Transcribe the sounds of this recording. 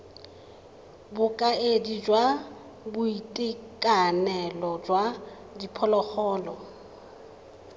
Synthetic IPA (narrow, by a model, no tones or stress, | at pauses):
bʊkʼaedid͡ʒwa | bʊitʼikʼanɛlɔd͡ʒwa | dipʰɔlɔk͡xɔːlɔ